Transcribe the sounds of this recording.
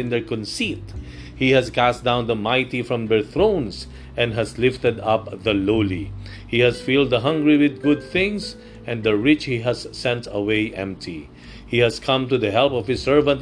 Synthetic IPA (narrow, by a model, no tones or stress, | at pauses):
ɪ̃nd̪ɛɹkɔ̃nsit̪ | hihæskæsdãʊ̃nd̪əmaɪt̪ifɹʌ̃md̪ɛɹθɹõʊ̃ns | ɛ̃ndɦæzlɪft̪ɛd̪ʌpðəloli | hihæzfilˠd̪əɦʌ̃ŋɡɹiwɪd̪̚ɡʊd̪̚θɪ̃ŋs | ɛ̃nd̪əɹɪt͡ʃhiɦæzːɛ̃ntʰəweɪʔɛ̰̃mp̚tʰi | hihæskʰʌ̃mtuðəɦɛlpɔv̥hɪsːɜ˞və̃nt̚